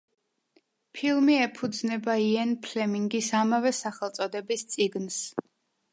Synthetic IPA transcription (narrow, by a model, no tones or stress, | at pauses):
pʰilˠmiɛpʰud̪znɛbaiɛnpʰlɛmiŋɡisamavɛsaχɛlˠt̪sʼɔd̪ɛbist̪sʼiɡns